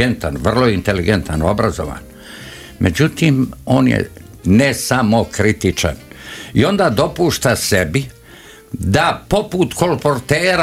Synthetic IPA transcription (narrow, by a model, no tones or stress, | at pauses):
ent̪anʋr̩loint̪eliɡent̪anobɾazo̰ʋa̰ːn | mʔḛd͡ʑut̪iːmoːnjḛ | nesamokɾit̪it͡ʃa̰nio̞nd̪aːd̪o̞puːʃt̪asebi | d̪apoput̪kolpoɾt̪eːɾ